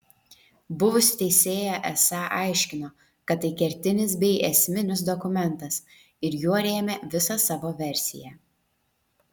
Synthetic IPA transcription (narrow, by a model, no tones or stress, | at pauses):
bʊʋʊsʲɪ̥t̪ʲɛɪsʲeːjɛʔɛsɑʔɐˑɪʃʲkʲɪnoː | kɐt̪ːɐɪkʲɛɾʲt̪ʲɪnʲɪs̬bʲɛɪʔɛsʲmʲɪnʲɪs̬d̪ɔkʊmʲɛnˑt̪ɐs | ɪɾjuɔɾʲeːmʲeʋʲɪsɑsɑːʋoːʋʲɛɾʲsʲɪ̰jɛ